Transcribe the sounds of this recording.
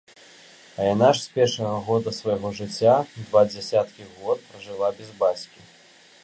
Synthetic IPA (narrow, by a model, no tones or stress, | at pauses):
ɐjanaʂsʲpʲɛrʂɐɣɐɣɔd̪ɐsvɐjɣɔʐɨt͡sʲːad̪vad͡zʲasʲat̪kʲiɣɔt̪̚pɾɐʐɨlˠabʲɛzbat͡sʲkʲi